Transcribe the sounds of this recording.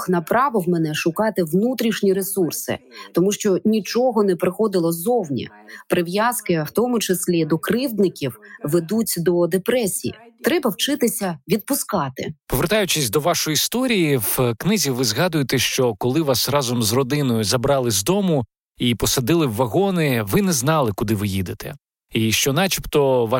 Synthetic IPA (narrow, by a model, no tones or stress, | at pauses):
xnɐpɾɑʋɔwmenɛʃʊkɑt̪ɪʋnut̪ɾʲiʃnʲiɾesursɪ̰t̪ɔmuʃt͡ʃɔnʲit͡ʃɔɦɔnɛpɾɪxɔd̪ɪlˠɔzɔwnʲḭ | pɾɪʋjaskɪwt̪ɔmʊt͡ʃɪsʲlʲid̪ɔkɾɪwd̪nɪkʲiwʋed̪utʲd̪ɔd̪epɾɛsʲijḭt̪ɾɛbɐwt͡ʃɪt̪ɪsʲɐʋʲid̪̚pʊskɑt̪ɪ̰pɔʋert̪ɑjʊt͡ʃɪsʲd̪ɔʋɑʃɔjist̪ɔɾʲijiwknɪzʲiʋɪzɦɑd̪ʊjet̪ɛʃt͡ʃɔkɔlˠɪʋɑsrɑzɔmzrɔd̪ɪnɔjʊzɐbɾɑlˠɪzd̪ɔmʊ | ipɔsɐd̪ɪlˠɪwːɐɣɔnɪʋɪnɛznɑlˠɪkʊd̪ɪʋɪjid̪et̪ɛ̰ | iʃt͡ʃɔnɑt͡ʃipt̪ɔʋɑ